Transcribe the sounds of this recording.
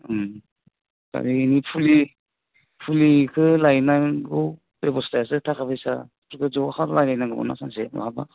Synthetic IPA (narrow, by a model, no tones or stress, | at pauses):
ka̰ɡiːnipʰuli | pʰulikʰɯlajnaɡɯw | pebɔstajas̬ɯtʰakʰabɯjsa̰ | pʰɾkʰɯzɔhaɾlajlajnaɡɯɡɔ̰na̰saŋseɾɔ̰aba